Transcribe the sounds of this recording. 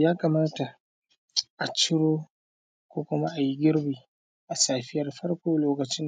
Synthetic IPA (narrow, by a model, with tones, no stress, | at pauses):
jaː˦kɐ˨maː˦ta˨ | ʔa˨t͡ʃɪ˦ɽoː˦ | kʷoː˦kʷʊ˦ma˦ʔa˨ji˦ɡʲɪ˦ɾbiː˨ | ʔa˨saː˨ɸɪ˦jɐ˨rɸɐ˦ɽkʷoː˦loː˨˦kɐ˨t͡ʃɪ˦n